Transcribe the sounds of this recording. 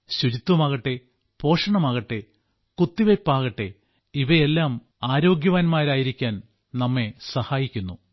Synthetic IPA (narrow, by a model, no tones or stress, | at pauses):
ɕuɾit̪ːwɐmɐɣɐʈːe̞ | po̞ːʂɐɳɐmɐɣɐʈːe̞ | kut̪ːiʋepːaːɣɐʈːe̞ | iʋɐelːaːm | aːɾo̞ːɡjɐʋaːnmaːɾaːjiɾikʲːaːn | nɐmːe̞sɐhaːjikʲːunːu